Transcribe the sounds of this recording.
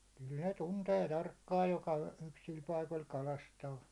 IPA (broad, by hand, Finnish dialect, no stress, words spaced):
kyl ne tunteː tɑrkːɑːj jokɑ yksil pɑikol kɑlɑstɑː